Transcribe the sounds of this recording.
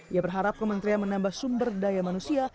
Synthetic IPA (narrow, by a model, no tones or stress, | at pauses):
ijabərɦaɾap̚kəmənt̪ɾianmənambahsumbərdajamanusia